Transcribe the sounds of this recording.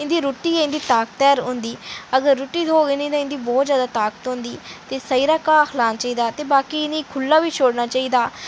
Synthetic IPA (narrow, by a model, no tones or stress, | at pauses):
ɪ̃nd̪iːɾoːʈːiːɪ̃nd̪iːt̪aːk̚t̪ɛːɾɦʊ̃nd̪iːəɡəɾːʊʈːiːd̪ʱoːɡeːniːt̪ãːɪ̃nd̪iːbɔːt̪zjaːd̪aːt̪aːkə̥t̪ɦʊ̃nd̪iːt̪eːsəiːɾaːkaːxʰlaːnat͡ʃaːiːd̪aːt̪eːbaːkiːɪ̃niːkʰʊlːaːʋiːt͡ʃʰoːɽnaːt͡ʃaːiːd̪aː